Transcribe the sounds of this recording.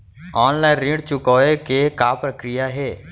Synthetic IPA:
ɔːnlaːɪnɾĩːɽt͡ʃʊkɔːekekaːpɾəkɾɪjaɦeː

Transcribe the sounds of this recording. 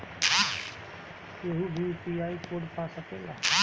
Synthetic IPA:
eɦubʱipiaːikoːɖpaːsəkẽːɡaː

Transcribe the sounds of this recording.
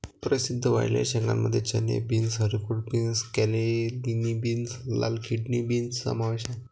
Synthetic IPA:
pɾəsid̪ʱːəʋa̰jlja̰ɾɕɛ̃ŋɡa̰mməd̪ʱːjet͡ɕənjḛbinsɦəɾikuʈ̚binskɛlelinibinsla̰lkʰiʈnibinsːə̰maʋeɕa

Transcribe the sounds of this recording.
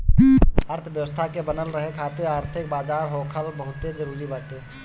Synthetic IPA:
əɾt̪ʰʋjəʋəst̪ʰakebənəlɾəɦekʰaːt̪eɾəɾt̪ʰɪk̚baːd͡ʒaːɾɦoːkʰəlbəɦʊt̪ed͡ʒəɾuːɾibaːʈe

